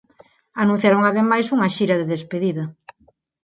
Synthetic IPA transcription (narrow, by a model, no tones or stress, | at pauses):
anũn̟θjaɾoŋaðemajsuŋɐʃiɾɐðeðespeðiðɐ